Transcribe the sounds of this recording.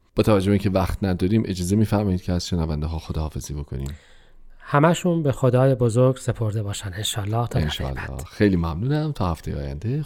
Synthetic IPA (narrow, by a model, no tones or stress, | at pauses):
b̥ɒːt̪ʰævæd͡ʒːoeiːŋcʰevæxt̪ʰnæd̪ɒːɾiːmʔe̞d͡ʒɒːzemiːfæɾmɒːid̪̥cʰeæz̥ʃenævænd̪eɦɒːxod̪ɒhɒːfe̞ziːbo̞kʰoniːm | hæmæʃunbexod̪ɒːjebozoɾɡse̞pʰo̞ɾd̪e̞bɒːʃænenʃɒːlːɒːht̪ʰːenæʃɒ̰l̰ːɒ̰ːxejliːmæmnuːnæmt̪ʰɒːhæft̪ejeɒ̰ːjæ̰nd̪e